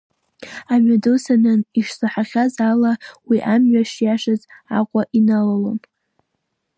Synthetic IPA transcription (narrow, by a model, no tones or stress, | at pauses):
amadosanɨniʂsaħaʁʲazalawiʔamɥaʂjaʂazaqʷʼaʔinalalo̰n